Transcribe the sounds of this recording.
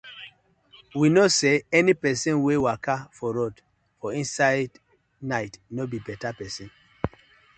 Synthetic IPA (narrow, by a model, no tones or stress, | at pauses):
winoseɛnipɛsɛ̃nwewakʰafɔɹod | fɔĩnsaɪd | naɪtnobibɛtapɛsɔ̃n